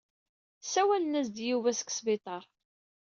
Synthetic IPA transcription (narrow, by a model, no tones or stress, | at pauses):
sæwælənæzd̪juvæsə̥ksvɪt̪ˤɑɾˤ